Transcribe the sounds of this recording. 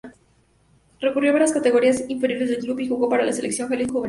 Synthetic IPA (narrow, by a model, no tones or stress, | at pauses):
rekurjo̞βaɾjaskat̪e̞ɣo̞ɾiasiɱfeɾjo̞ɾe̞zðelɡɾupixuɣopaɾalaseleksjo̞ŋxeliðxuβe